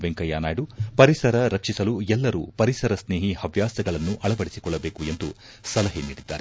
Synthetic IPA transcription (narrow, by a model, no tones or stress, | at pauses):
ʋeŋkɐjaːnaːjɽupɐɾisɐɾɐɾɐkt͡ʃisɐluɛlːɐɾṵːpɐɾisɐɾɐsne̞ːɦihɐʋjaːsɐɡɐɭɐnːuʔɐɭɐbɐɽisi̥kɔɭːɐbeːkue̞nd̪u | sɐlɐɦeniːɽid̪ːa̰ːɾe